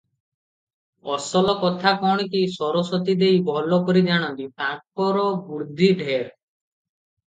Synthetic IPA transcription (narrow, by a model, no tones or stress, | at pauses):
ɔsɔlɔkɔt̪ʰakɔɽ̃ikisɔɾɔsɔt̪id̪ejbʱɔlɔkɔɾid͡ʒaɽ̃ɔnt̪iʈak̚ɔɾɔbuɾd̪ʱiɖʱeɾ